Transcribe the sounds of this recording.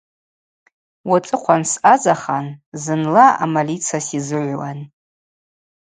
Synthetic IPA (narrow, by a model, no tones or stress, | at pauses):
wat͡sʼɨqʷʰansazaχanzɨnlaa̰malit͡sʰasizɨʕʷwan